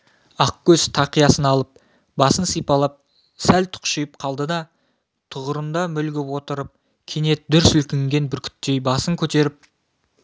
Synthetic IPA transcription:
ɑq̚kʲʰɵzt̪ʰɑqijɑsənɑlˠəp̚ | bɑsənsijpɑlˠəp̚ | sælt̪ʰʊ̥qʃijəp̚qʰɑlˠd̪əd̪ɑ | t̪ʰʊʁəɾənd̪ɑmʏlɡʲɪpwo̞t̪əɾəp̚ | kʲʰene̞t̪̚d̪ʏɾsʏlkʲɪŋɡʲe̞nbɪɾkʲʰʏ̥t̪ːe̞jbɑsəŋkʲʰɵt̪e̞ɾɪp̚

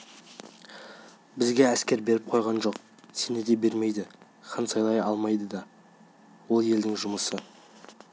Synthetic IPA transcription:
bɪzɡʲe̞æskʲe̞ɾbe̞ɾɪp̚qʰo̞jʁɑnʒo̞q | se̞ned̪e̞be̞ɾme̞jd̪ɪ | qʰɑnsɑjlˠɑjɑlˠmɑjd̪əd̪ɑ | wo̞lˠje̞ld̪ɪŋʒʊməsə

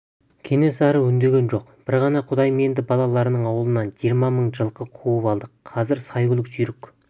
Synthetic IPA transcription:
kʲʰe̞ne̞sæɾəʏnd̪e̞ɡʲe̞nʒo̞qb̥ɪɾʁɑnɑqʰʊd̪ɑjme̞nd̪ɪbɑlˠɑlˠɑɾənəɴɑwəlˠənɑnʒijɾmɑməɴʒəlˠqʰəqʰuəpɑlˠd̪əqʰːɑzɪɾsɑjɡʲʏlˠɪksʏjɾɪkʲ

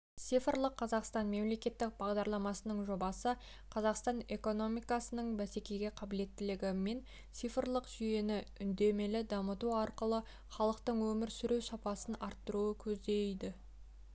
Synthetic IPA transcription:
t̪sijfrlˠəqʰːɑzɑqst̪ɑnme̞mle̞kʲe̞t̪ːɪk̚bɑʁd̪ɑɾlˠɑmɑsənəɴʒo̞bɑsə | qʰɑzɑqst̪ɑne̞ko̞no̞mijkɑsənəɴbæse̞kʲe̞jɡʲe̞qʰɑbɪle̞t̪ːɪlɪɡʲɪme̞n | t̪sijfrlˠəqʒ̥ʏje̞nɪʏnd̪e̞me̞lɪd̪ɑmət̪uɑɾqəlˠə | χɑlˠəqt̪əɴwɵmɪɾsʏɾewsɑpɑsənɑɾt̪ːəɾuəkʲʰɵzd̪e̞jd̪ɪ

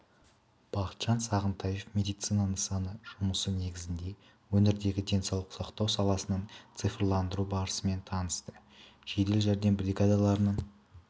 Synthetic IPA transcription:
b̥ɑqət̪ʒɑnsɑʁənt̪ʰɑje̞fmʲe̞d̪ijt̪sɨjnanəɴsɑnəʒ̥ʊməsəne̞ɡʲɪzɪnd̪e̞ | wɵnɪɾd̪e̞ɡʲɪd̪ʲe̞nsɑwlˠəqsɑqt̪ɑwsɑlˠɑsənəɴt̪sɨjfɾlˠɑnd̪əɾubɑɾəsəme̞nt̪ʰɑnəst̪ə | ʒ̥ed̪e̞lʒæɾd̪e̞nbɾʲiɡad̪alˠɑɾənəɴ

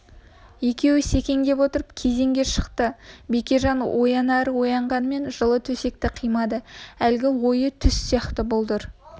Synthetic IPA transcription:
je̞kʲe̞wɪse̞kʲe̞ŋd̪e̞pwo̞t̪əɾəp̚kʲʰe̞ze̞ŋɡʲe̞ʃə̥qt̪əbe̞kʲe̞ʒɑnwʔo̞jɑnɑɾəwo̞jɑɴʁɑnme̞nʒəlˠət̪ʰɵse̞k̚t̪ɪqʰijmɑd̪əælɡʲɪwo̞jət̪ʰʏsːijɑqt̪əbolˠd̪əɾ

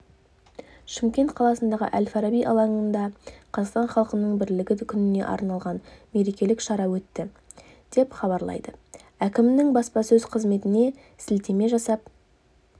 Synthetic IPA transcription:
ʃɪmkʲe̞nt̪̚qʰɑlˠɑsənd̪ɑʁə̰ʔælfɑɾɑbijʔɑ̰lˠɑɴənd̪ɑqʰɑzɑʁst̪ɑnχɑlˠəqənəɴbɪɾlɪɡʲɪkʲʰʏnɪne̞̰ʔɑ̰ɾnɑlˠʁɑnme̞ɾe̞kʲe̞lɪkʃɑɾɑwɵt̪ːɪ | d̪̥e̞pχɑβɑɾlˠɑ̰jd̪̥ə | ækʲɪmnɪŋbɑspɑsɵzqʰəzme̞t̪ɪne̞ | sɪlt̪e̞me̞ʒɑsɑp̚

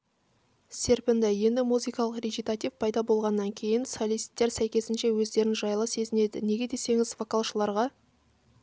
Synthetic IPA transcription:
se̞ɾpɪnd̪ɪje̞nd̪ɪmuzɨjkɑlˠəqrʲeɡʲijt̪at̪ivpʰɑjd̪ɑbo̞lˠʁɑnːɑŋkʲʰe̞jɪnsolʲijst̪ːe̞ɾsæjkʲe̞sɪnʃe̞wɵzd̪e̞ɾɪnʒɑjlˠəse̞zɪne̞d̪ɪne̞ɡʲe̞d̪e̞se̞ŋɪzvo̞kalˠʃəlˠɑɾʁɑ

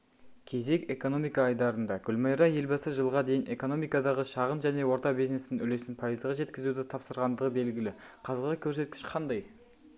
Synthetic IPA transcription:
kʲʰe̞ze̞kʲe̞ko̞no̞mijkɑːjd̪ɑɾənd̪ɑɡ̥ʲʏlmɑjɾɑje̞lbɑsəʒəlˠʁɑd̪e̞jɪne̞ko̞no̞mijkɑd̪ɑʁəʃɑʁənʒæne̞wo̞ɾt̪ɑbijzne̞sɪnɪnʏle̞sɪnpʰɑjəzʁɑʒe̞t̪kʲɪzud̪ɪt̪ʰɑpsəɾʁɑnd̪əʁəbe̞lɡʲɪlɪqʰɑzəɾʁəkʲʰɵɾse̞t̪̚kʲɪ̥ʃqʰɑnd̪ɑj

